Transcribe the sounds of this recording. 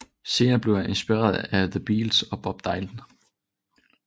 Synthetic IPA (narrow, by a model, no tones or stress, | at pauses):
se̝ːnɐb̥le̝ʊjæʔe̝nsb̥iʁɛ̰ːɐðˠæðəb̥iːlsɒ̽b̥ɒ̽b̥̚d̥ɑ̈ɪld̥n̩